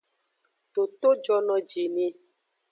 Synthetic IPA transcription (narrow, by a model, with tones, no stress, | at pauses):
t̪o˨t̪o˦d͡ʒɔ˧nɔ̃˨d͡ʒi˨nĩ˧